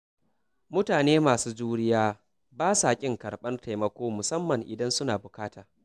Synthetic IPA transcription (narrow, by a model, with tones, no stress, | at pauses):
mʊ˦taː˨neː˦maː˨suː˦d͡ʒuː˦ɽɪ˦jaː˦ | baː˦saː˨kʲʼɪ˦ŋkɐ˨ɽɓɐ˦nta˨jmɐ˦kʷoː˦mʊ˨sɐ˦mːɐ˨ŋʔɪ˨dɐ˦nsʊ˦naː˨bʊ˨kaː˦taː˨